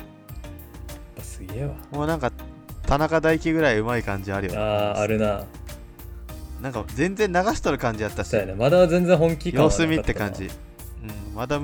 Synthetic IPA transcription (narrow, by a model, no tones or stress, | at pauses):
t̪asɨɡeβamoːnãŋkat̪ʰanakad̪aikʲiɡɯ̟ɾaiɯ̟maikãɲ̟d͡ʑiaɾɯjo̰aːɾɯ̟na | nãŋkad͡zẽ̞nd͡zẽ̞nːaɡaɕi̥t̪oɾɯ̟kãɲ̟d͡ʑiat̪ːaoonemad̪azẽ̞nd͡zẽ̞ɦõŋkʲijko̞ːsɨmʲit̪ːe̞kãɲd͡ʑḭ | ɯ̟̃ɴmad̪a